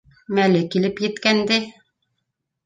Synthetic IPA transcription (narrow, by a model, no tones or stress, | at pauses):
mælɘkilɘpjɘ̆t̪kænd̪ɘ